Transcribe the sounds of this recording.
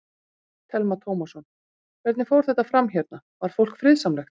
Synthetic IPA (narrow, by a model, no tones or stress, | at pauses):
t̪ʰɛlmat̪ʰoːwmasɔn | vɛɾt̪nɪfowɾ̥θɛht̪afɾamçɛt̪na | vaɾ̥fowlkfɾɪðsamlɛxt̪